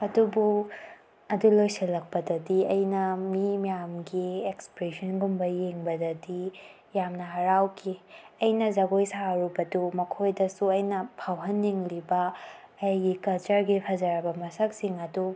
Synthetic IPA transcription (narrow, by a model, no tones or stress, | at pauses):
ɐdubu | ɐdulojsɐlːɐk̚pɐdɐdiɐjnɐmimijamɡiekspɾesɐnɡumbɐjeŋbɐdɐdi | jamnɐɦɐɾawkʰiɐjnɐzɐɡojsaɾubɐdumɐkʰojdɐsuɐjnɐpʰawɦɐnːiŋlibɐɐjɡikɐlt͡ʃɐɾɡipʰɐzɐɾɐbɐmɐsɐk̚siŋɐdu